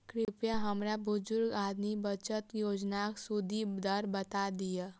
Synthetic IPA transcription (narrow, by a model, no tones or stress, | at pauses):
kɾɪpjaɦɐmɾabʊzʊɾɡaːd̪mibət͡ʃət̪joːd͡ʒnaːksʊd̪ʱid̪əɾbɐt̪ad̪ija